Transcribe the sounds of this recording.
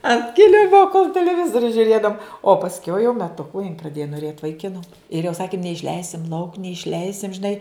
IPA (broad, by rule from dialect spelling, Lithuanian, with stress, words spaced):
ɐnt ˈkʲɪlʲɪmoː koːlˠ tʲɛlʲɛˈʋʲɪzoːrʲʊ ʒʲʊˈrʲeːdɐʋʊm oː pɐsʲˈkʲɛʊ jɛʊ mʲɛˈtʊkʊ jɪn prɐˈdʲeːjoː noːˈrʲeːt ʋɐɪˈkʲɪnʊ ɪr jɛʊ ˈsɑːkʲɪm nʲɛɪʃʲˈlʲɛɪsʲɪm lˠɐʊk nʲɛɪʃʲˈlʲɛɪsʲɪm ʒʲɪˈnɐɪ